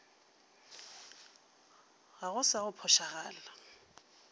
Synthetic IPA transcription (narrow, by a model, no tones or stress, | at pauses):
ɣaɣʊsaɣʊpʰɔʃaɣaːla